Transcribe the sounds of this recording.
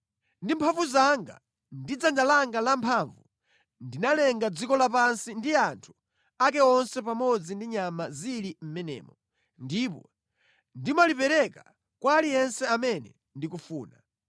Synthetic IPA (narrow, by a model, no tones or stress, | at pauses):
ndimpʰaɱvuzaŋɡa̰ | ndid͡zand͡ʒalaŋɡalampʰaɱvu | ndinalɛŋɡad͡zikɔlapansindiantʰu̥ | ak̬ɛɔnsɛpamɔd͡zindiɲamazilim̩mɛnɛ̰ːmɔ | ndipɔ | ndimalipɛɾɛka | kwaːlijɛnsɛamɛnɛ̰ | ndikufuːna